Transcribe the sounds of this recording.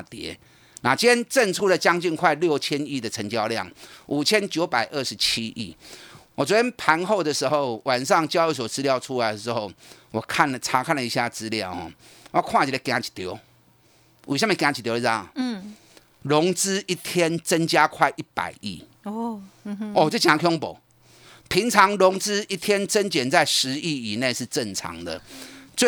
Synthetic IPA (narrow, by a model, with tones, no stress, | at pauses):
a˨t̪jɛ̰˨˦ | na˨˩t͡ɕjɛ˦nt͡sə˥˧ŋt͡sʰu˥lə˨t͡ɕja˦ŋt͡ɕi˥˧nkʰwa˥˧ɪljo˥˨ʊt͡ɕʰjɛ˦ni˥˩d̪ə˨˩t͡sʰə˧˦ŋt͡ɕja˧˦ʊljɑ̰˥˨˩ŋu˨˩t͡ɕʰjɛ˦˥nt͡ɕjo˧˦ʊpa˨˩ɪʔə˥˩ʂɻ̩˧˦t͡ɕʰi˦ʔḭ˥˩wɔ˨t͡swɔ˧˦tjɛ˥npʰa˧˥nxo˥˩˧ʊd̪ə˨ʂɻ̩˧˦xo˥˩ʊwa˨˩nʂɑ˥˨ŋt͡ɕjɑ˥˦ʊy˧˩s̬wɔ˨˩t͡sɹ̩˦˥ljɑ˥˧ʊt͡sʰu˦la˧˦ɪd̪ə˨˩t͡s̩˧˦xo˥˩ʊwɔ˨˩kʰa˥˨nlə˨˩t͡sʰa˧˥kʰa˥˨nlə˨˩i˧ɕja˥˨t͡sɹ̩˦lja˥˨˩ʊhɔ̰˨ | wa˥˦˩kʰwa˥˧˨t͡ɕi˨˧lə˧kj̃ã˨˦t͡ɕʰi̥˨˩t̪jo˨˦ʊ | wɕ̬ja˥mẽ˨˩kjã˨˦˩t͡ɕʰi˨˩jo˧˦˥a˥˩˨ | lo˧˦ŋt͡sɹ̩˥i˥˩t̪ʰjɛ˥nt͡sə˦nt͡ɕja˦kʰwa˥˧˩ɪʔi˥˩pa̰˨˩ɪḭ˥˩ | o˨t͡ɕo˥˩t͡ɕi˨a˨˧kʰjɔ˥ŋpo̰˨˩ʊ | pʰi˧˥ŋt͡sʰɑ˧˦ŋlʊ˧˦ŋt͡sɹ̩˦i˥t̪ʰjɛ˦nt͡sə˦nt͡ɕɛ˨˩nt͡sa˥˩ɪʂɻ̩˧˦i˥˩i˨˩ne˥˧ɪʂɻ̩˥˧t͡sə˥˨nt͡sʰɑ̰˧˥ŋd̪ə̰˨t͡swe˥˨